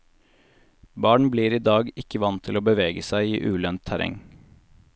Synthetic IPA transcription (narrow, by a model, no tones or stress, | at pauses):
bɑːɳ̩bliːɾiːd̪ɑːɡɪkəʋɑnt̪ʰɪloːbəʋeːɡəsæɪiːʔʉːlœnt̪ʰæɾʔɛ̰ŋ